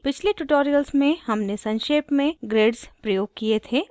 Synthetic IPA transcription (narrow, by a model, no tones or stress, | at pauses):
pɪt͡ʃʰleʈuʈoːɾijəlsmẽhɐmnesɐ̃nʃeːpmẽɡɾeːɖspɾɐjoːɡ̚kiet̪ʰeː